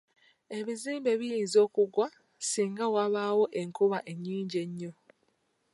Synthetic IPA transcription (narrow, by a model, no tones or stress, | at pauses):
e̞βiziːmbe̞βijiːnzo̞ːkuɡwa | siːŋɡawaβaːwo̞ʔe̞ŋkuβaʔe̞ɲːiːɲɟe̞ɲːo̞